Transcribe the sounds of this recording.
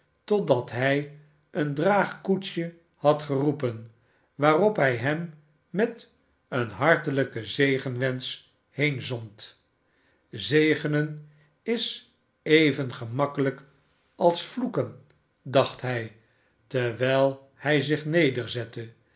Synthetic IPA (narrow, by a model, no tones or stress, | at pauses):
tɔdɑtɦɛj | ʔəndraːχkut͡ʃə | hɑtχərupən | ʋaːrɔpɦɛjɦɛmː | ɛt | ənɦɑɹtələkəzejχənʋɛns | hejnzɔnt | zejχənən | ɪs | ejvənχəmɑkələk | ɑlˠsflukən | dɑχtɦɛj | tɛʋɛlˠ | hɛjzɪχnejdəɹzɛtə